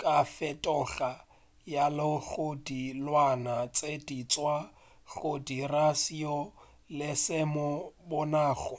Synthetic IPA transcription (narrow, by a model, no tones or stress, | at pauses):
kʼafɛtʼɔɣa | jalɪɣodilwanat͡sʼedit͡sʼwa | ɣodirasiɔ | lɪsɪmɔbʊnaːχɔ